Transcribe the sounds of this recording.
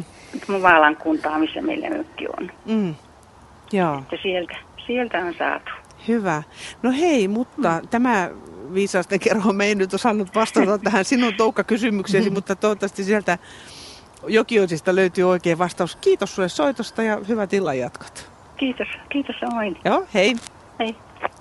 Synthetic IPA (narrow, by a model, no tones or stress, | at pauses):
mut̪muʋɑːlɑŋkunt̪ɑːmisːæmḛilːæ̰ø̰kːḭo̰n̩ː | jɑːet̪ːæsielt̪æsielt̪æonsɑ̰ːt̪u̥ | hyʋænoheimut̪ːɑt̪æmæˑʋiːsɑːst̪eŋkerhomeinnyt̪osɑˑnːut̪ʋɑst̪ɑut̪ɑt̪ːæhænsinːˑunt̪oukːɑkysymykseːˑsimut̪ːɑt̪ot̪ːɑst̪isielt̪æ | jokioisist̪ɑløyt̪yːoikeːʋɑst̪ɑuskiːt̪ossuessoit̪ost̪ɑjɑhyʋæt̪ilːɑjɑt̪kɑ̥t̪ | kiːt̪oskiːt̪ossemoinjoːhei | hei